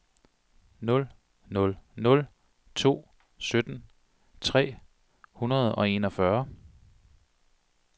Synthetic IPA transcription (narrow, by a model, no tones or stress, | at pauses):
nɔ̽l | nɔ̽lnɔ̽l | t͡sʰo̝̰ː | sød̥n̩ | t͡sʰʁɛ̰ː | hunɐð̞̩ˠɒ̽e̝nɒ̽fɶɐ